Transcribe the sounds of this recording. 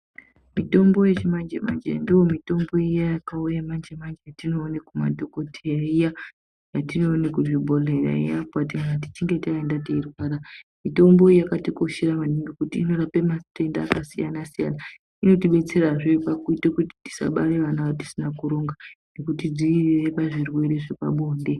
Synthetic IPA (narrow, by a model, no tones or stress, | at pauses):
mito̞mbo̞jet͡ʃemand͡ʒḛma̰nd͡ʒḛndijo̞mito̞mbo̞ijajakaujamand͡ʒemand͡ʒejatino̞ːnekuma̰dʱo̞ko̞tʰeaija | jatino̞ːnekuʐibʱolera̰ḭjapwatiŋanat̬i̥t͡ʃiŋɡe̞taendateirwaːɾamito̞mbo̞ijakatikoʃeɾamaniŋɡekutḭːno̞ɾapematendaːkasijanasija̰na | ino̞tiɓe̞t͡se̞ɾaʐipakuitekuti̥ti̥sa̰ɓaɾeʋanaʋat̬i̥sinakuɾo̞ŋɡanekutid͡zirire̞paʐirwe̞ɾe̞ʐepa̰ɓoːnde̞